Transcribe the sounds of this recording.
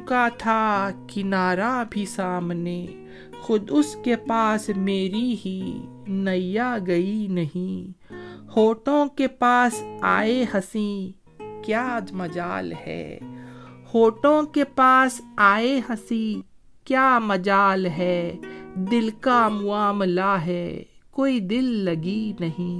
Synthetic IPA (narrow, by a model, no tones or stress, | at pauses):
kat̪ʰakɪnaːɾabʱisaːmneː | xʊd̪ʊskepaːsmeːɾiɦi | nɐijaɡɐinɐɦĩ | hoːʈõkepaːsa̰ːeɦɐsĩ | kjaːd̪mɐd͡ʒaːlhɛ̰ː | hoːʈõkepaːsaːeɦɐsĩ | kjaːmɐd͡ʒaːlɦɛːd̪ɪlkamʊaːmlaɦɛːkoːid̪ɪlːɐɡinɐɦĩː